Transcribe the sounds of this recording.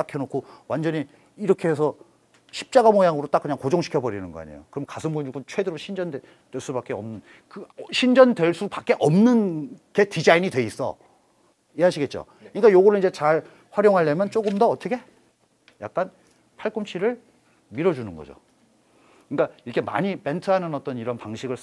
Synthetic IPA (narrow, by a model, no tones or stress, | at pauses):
akʰenokʰowand͡ʑʌɲi | iɾʌkʰeɦes̬ʰʌ | ɕʰi̥p̚t͡ɕ͈aɡamojaŋɯɾot͈akːɯɲaŋkod͡ʑoŋɕʰi̥kʰʌbʌɾinɯnɡʌa̰ɲḛjo̰kɯɾʌmkasʰɯnbuiɡunt͡ɕʰwe̞deɾoɕʰind͡ʑʌnd | dwe̞ɭs͈ubak͈e̞ʌmnɯn | kɯɕʰind͡ʑʌndwe̞ɭs͈upak͈̚e̞ʔʌmnɯnke̞tid͡ʑainidwe̞is͈ʌ̰ | eɦaɕʰiɡe̞t̚t͡ɕ͈o̰ | kɯɲik͈ajoɡʌɾɯnid͡ʑe̞t͡ɕaɭ | ɸwaɾjoŋɦaɭːemjʌnt͡ɕ͈oɡɯmdʌʌt͈ʰʌkʰe̞ | ja̰k̚k͈an | pʰaɭk͈umt͡ɕʰiɾɯɭ | miɾʌd͡ʑunɯnɡʌ̰d͡ʑo̰ | kɯɲik͈aiɾʌkʰe̞ma̰ɲipe̞ntʰɯɦanɯnʌt͈ʌniɾʌnpaŋɕʰiɡɯɭ